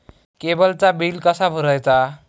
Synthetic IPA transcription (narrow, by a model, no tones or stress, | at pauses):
kebəlt͡sabilkʌsabʱuɾʌjt͡sa